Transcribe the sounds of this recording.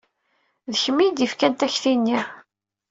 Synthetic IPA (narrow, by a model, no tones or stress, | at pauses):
ðəçəmːid̪ifkænt̪æçθinːi